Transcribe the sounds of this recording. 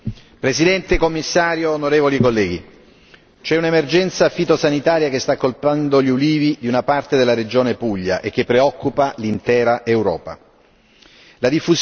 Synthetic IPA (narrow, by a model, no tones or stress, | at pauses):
pɾesid̪ɛnt̪ekomːisːaːɾjoːnoɾeːvolikolːɛːɡi | t͡ʃɛunemerd͡ʒɛnt̪safit̪osanit̪aːɾjak̟est̪akːolpand̪oʎiuliːvid̪iunapart̪ed̪elːaɾed͡ʒoːnepuʎːa̰ʔek̟ːepːɾeɔkːupalint̪ɛːɾaʔewɾɔ̰ːpa̰ | lad̪ifːuz